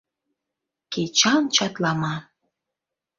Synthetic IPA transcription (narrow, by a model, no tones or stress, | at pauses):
ket͡ɕɑnt͡ɕɑt̪lɑmɑ